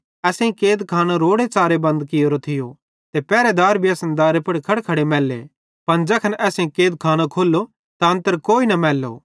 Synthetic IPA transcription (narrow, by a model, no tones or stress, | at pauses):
ɛːsẽĩkeːd̪kʰaːnãɾoːɽet͡ʃaːɾebɐ̃nd̪kɪjoːɾot̪ʰɪjo | t̪epɛːɾɛd̪aːɾbʱijɐsnd̪aːɾepɐɽkʰɐɽkʰɐɽemɛːlːḛ | pɐnd͡ʒɐkʰɐnʔɛːsẽĩkeːd̪̚kʰaːnakʰoːlːo | t̪aɐ̃nt̪əɾkoːinɐmɛːlːo̰ː